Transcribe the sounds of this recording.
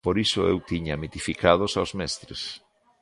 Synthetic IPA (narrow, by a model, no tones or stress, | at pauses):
poɾisʊewt̪iɲamit̪ifikað̞osawzmɛst̪ɾḛs